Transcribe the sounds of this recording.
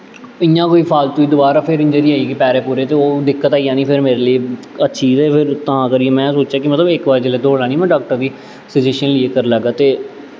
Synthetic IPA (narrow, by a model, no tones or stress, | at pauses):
ɪjãːkoːiːpʰaːlt̪ũːiːd̪oːbaːɾaːpʰɪɾɪ̃ɲd͡ʒəɾiːaːiːɡipɛːɾeːpuːɾeːt̪eːoːd̪ɪkːət̪aːiːjãːnĩːpʰɪɾmeːɾeːlie | ətːʃʰiːzɛːpʰɪɾt̪ãːkəɾiːɛmɛ̃ːsoːt͡ʃjaːkɪmət̪ləbɪkʋaːɾd͡ʒeleːd̪oːlãːnĩːmɛ̃ːɖaːk̚ʈəɾd̪iː | sɪd͡ʒeːʃənliːekəɾləɡaːt̪eː